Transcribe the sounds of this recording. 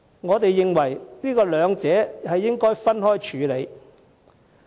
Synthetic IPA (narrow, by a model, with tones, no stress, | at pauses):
ŋɔː˨˧t̪e˨jːɪ˨ŋwɐ˨˩jniː˥kɔː˧lœː˨˧ŋt͡sɛː˨˥hɐ˨jːɪ˥ŋkɔː˥jfɐ˥nhɔː˥jt͡ʃʰyː˨˧le˨˧j